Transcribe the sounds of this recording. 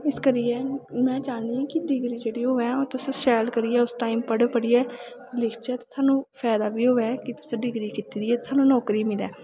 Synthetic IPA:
ɪskəɾiːɛːmɛ̃ːt͡ʃaːniːãːkɪɖɪɡɾiːd͡ʒeːɽiːɦoːɛ̃ːoːt̪ʊsẽʃɛːlkəɾiːɛːʊsʈaːiːmpəɽpəɽiːɛː | lɪkʰt͡ʃɛːt̪eːt̪ʰaːnũːpʰɛːd̪aːbiːɦoːɛːkɪt̪ʊ̥sẽɖɪɡɾiːkɪt̪iːd̪iːɛːt̪ːt̪ʰaːnũːnɔːkɾiːmɪlɛː

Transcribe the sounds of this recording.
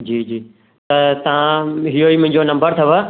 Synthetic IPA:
d͡ʑiːd͡ʑiː | t̪ɐt̪ɐʋ̤ãɦijoiːmʊ̃ɦɪ̃ɲd͡ʑonɐ̃mbəɾt̪ʰɐʋə

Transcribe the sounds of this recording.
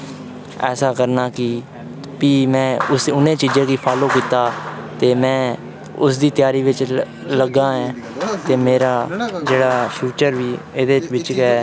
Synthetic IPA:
ɛ̰ːsaːkəɾnaːkɪ | piːmɛ̃ːʊsʊnẽːt͡ʃiːd͡ʒẽːkiːpʰaːloːkiːt̪aːt̪eːmɛ̃ː | ʊsd̪iːt̪ɪjaːɾiːʋɪt͡ʃ | ləɡãːɛ̃ː | t̪eːmeːɾaːd͡ʒeːɽaːpʰjuːt͡ʃəɾʋiːed̪eːt͡ʃʋɪt͡ʃkɛː

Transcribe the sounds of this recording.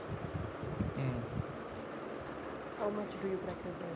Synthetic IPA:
haʊmʌt͡ʃɖujupɾæk̚ʈɪsd̪ɛ

